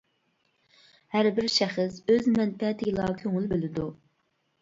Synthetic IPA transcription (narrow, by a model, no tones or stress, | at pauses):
hæɾbɪɾʃæχɪsøzmɛnpʰɛt̪ʰɪɡʲɪlˠɑkʲʰøŋɪlbølɪd̪u